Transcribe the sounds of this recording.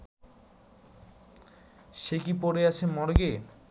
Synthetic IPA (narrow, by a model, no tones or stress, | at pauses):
ʃekipoɾeat͡ɕʰemɔɾɡe